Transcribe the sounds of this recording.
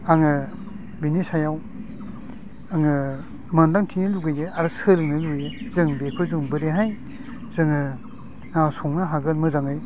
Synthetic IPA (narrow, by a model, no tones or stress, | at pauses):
aŋɯ | binisajaw | aŋɯ | mandaŋtʰiniluɡɯjdeaɾɯsɯlɯŋnɯlujezɯŋbekʰɯzuŋbɯɾeɦaj | zɯŋɯ | nasɔŋnaɦaɡɯlmɯzaŋɯj